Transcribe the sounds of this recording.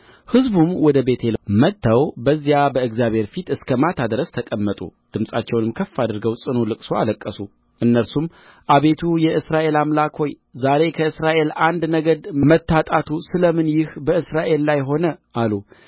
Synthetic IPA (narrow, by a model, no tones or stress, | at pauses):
hɨzbumwɔd̪əbe̞t̪ʰelmət̪ːawbəzːjabəɨɡzjaβhe̞ɾfit̪ɨskʰəmat̪ʰad̪ɾəst̪ʰəkʼəmːət̪ʼṵd̪̥ɨmsʼat͡ʃːɛwnɨmkʰəfːad̪ɨɾɡəwsʼɨnulɨkʼsoaləkʼːəsu | ʔɨnːəɾsum | ʔaβe̞t̪ʰujɛɨsɾaʔe̞lamlakʰho̞j | zaɾe̞kʰəɨsɾaʔe̞land̪nəɡəd̪mət̪ʰːat̪ʼat̪ʰusɨləmɨnjɪhbəɨsɾaʔe̞lːajɦo̞nəʔalu